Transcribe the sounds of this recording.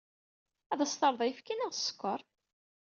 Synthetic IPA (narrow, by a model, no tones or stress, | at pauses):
æðæst̪ɑɾˤðˤɑjfkinæʁsːə̥kːəɾˤ